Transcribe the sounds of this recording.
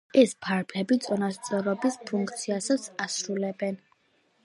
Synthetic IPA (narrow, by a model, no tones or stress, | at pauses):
ɛspʰaɾbʰlɛbit̪sʼɔnast̪sʼɔɾɔbispʰuŋk̚ʰt̪sʰiasat̪sʰasɾulɛbɛn